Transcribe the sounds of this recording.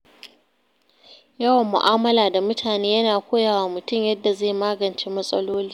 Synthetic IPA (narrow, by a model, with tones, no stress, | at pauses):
jɐ˦wɐ˨mːʊ̰˨ʔaː˦mɐ˦laː˨da˨mʊ˦tʰaː˨neː˦jɐ˦naː˨kʷoː˦jaː˨waː˨mʊ˨tʊ˦mjɐ˦dːa˨za˦˨maː˦ɡɐ˨nt͡ʃeː˦mɐ˦sʼɐ̰˦loː˦liː˦